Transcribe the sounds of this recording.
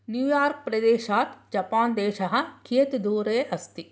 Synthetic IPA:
njuːjaːɾk̚pɾɐd̪eːʃaːt̪d͡ʒɐpaːnd̪eːʃɐɦãkʰiːt̪d̪oːɾeɐst̪i

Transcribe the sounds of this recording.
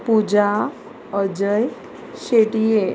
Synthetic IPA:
pud͡ʑa | əd͡ʑəj | ɕeʈije

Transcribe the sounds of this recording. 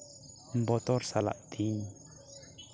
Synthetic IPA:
m̩bɔt̪ɔrsala̰ʔt̪ʰiɲ

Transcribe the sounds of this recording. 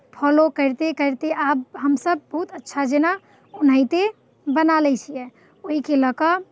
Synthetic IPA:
pʰɔlokəɾt̪ekəɾt̪eʔabɦəmsəb̚ːəɦut̪ətːʃʰad͡ʒena | un̤əjt̪e | bənalɛt͡ʃʰijɛ | oɦikeləkə

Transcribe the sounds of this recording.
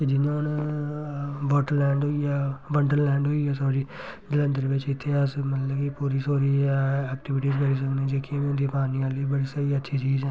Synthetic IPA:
ked͡ʒɪnõːn | ʋɔːʈəɾlɛ̃ːɳɖɦoːijaːʋə̃ɳɖəɾlɛ̃ːɳɖɦoːiːjaːsoːɾiːd͡ʒɪlə̃nd̪əɾʋɪt͡ʃɪt̪ʰːeːəsmət̪ləbkipuːɾiːsoːɾiːɛːk̚ʈɪʋɪʈiːzkəɽiːs̬əknẽːd͡ʒeːkimĩʊ̃nd̪iːpaːniːaːliːbəɽiːsaɾiətːʃʰiːt͡ʃiːzɛ̃ː

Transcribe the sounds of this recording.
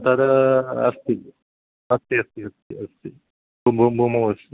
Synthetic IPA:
t̪ad̪ɐɐ̰st̪i | ɐst̪iɐst̪iɐst̪iɐst̪i | bubʱubʱumɐʋɐst̪i

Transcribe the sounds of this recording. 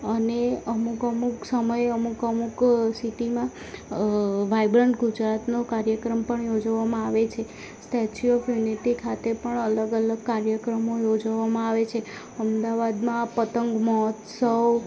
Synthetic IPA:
əneəmukəmuksəməjəmukəmuksiʈimã | ʋaibɾəɳʈɡud͡ʒɾat̪nokaɾjəkɾəmpəɳjod͡ʒʋamãaʋet͡ʃʰe | sʈɛt͡ʃiofjuniʈikʰat̪epəɳələɡələɡ̚kaɾjəkɾəmojod͡ʒʋamãaʋet͡ʃʰe | əmd̪aʋad̪mãpət̪əŋɡmɔɦɔt̪səw

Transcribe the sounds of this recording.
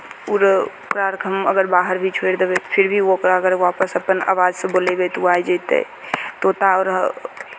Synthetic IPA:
uɾokɾaɾkɦəməɡəɾbaɦəɾbʱit͡ʃʰweɾd̪ebɛt̪ɔ̥pʰiɾbʱiokɾaəɡəɾʋapəsəpəna̰ʋad͡ʒsẽbolebet̪uajd͡ʒət̪ḛ | t̪ot̪aɔːɾ

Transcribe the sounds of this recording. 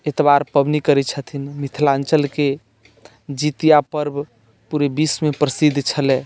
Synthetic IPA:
et̪baɾpəbnikəɾɛt͡ʃʰət̪ʰinmit̪ʰlant͡ʃəlke | d͡ʒit̪ijapəɾb | puɾebismepɾəsid̪ʱt͡ʃʰəlɛ

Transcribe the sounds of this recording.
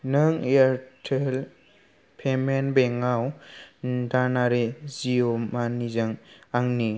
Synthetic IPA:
nɯŋeaɾtʰel | pʰemenbeŋaw | danaɾeziomanizaŋaŋni

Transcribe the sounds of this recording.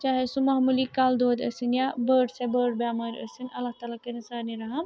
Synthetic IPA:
t͡ʃaːɦesumɐɦmulikaːld̪oːd̪ə̰sɨnjabəɖsebəɽbjaːmaɾə̰sɨnɐlːaɦht̪aːlakɐɾisaːniɾɐɦɐm

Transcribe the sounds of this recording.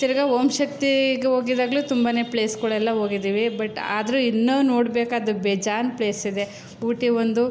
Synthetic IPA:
t̪iɾɐɡaomʃɐk̚t̪iɡeɦoːɡid̪aːɡɐluːt̪umbaːne̞ːple̞ːskɔɭɛlːɐɦo̞ːɡid̪iːʋibɐʈːa̰ːd̪ɐɾuinːuno̞ːɽbeːkaːd̪ubed͡ʒaːnple̞ːsid̪e̞ | uːʈiʋond̪u

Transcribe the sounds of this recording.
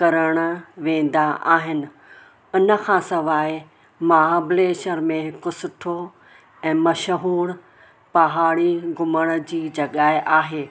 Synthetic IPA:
kɐɾəɽ̃ə̆ʋẽːn̆d̪aʔa̰ːɦɪnɪ̆ | ʊnə̆kʰãːsɐʋaːɪ | maːɦabɪleːʃəɾmẽɦɪkʊsʊʈʰo | ɛ̃ːmɐʃəɦuːɽ̃ | pɐɦaːɽiɡʱʊməɽ̃ə̆d͡ʑiːd͡ʑɐɠaːɪʔaːɦeː

